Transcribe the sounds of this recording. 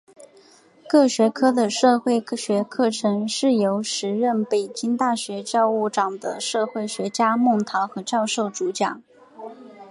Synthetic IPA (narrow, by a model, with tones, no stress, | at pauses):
kɤ˥˩ɕɥɛ˧˥kʰɤ˥d̪ə˨ʂɤ˥˧xwe˥˩ɪɕɥɛ˧˥kʰɤ˥˩ʈ͡ʂʰɤ˧˥ŋʂɻ̩˥˩jo˧˥ʊʂɻ̩˧˥ɻə˥˩npe˨˩ɪt͡ɕi˥ŋt̪a˥˩ɕɥɛ˧˥t͡ɕjɑ˥˧ʊu˥˩ʈ͡ʂɑ˨˩ŋd̪ə̰˦ʂɤ˥˧xwe˥˩ɪɕɥɛ˧˥t͡ɕja˥mʊ˥˩ŋt̪ʰɑ˧˥ʊxɤ˧˥t͡ɕjɑ˥˧ʊʂo˥˩ʊʈ͡ʂu˧˥t͡ɕjɑ˨˩˦ŋ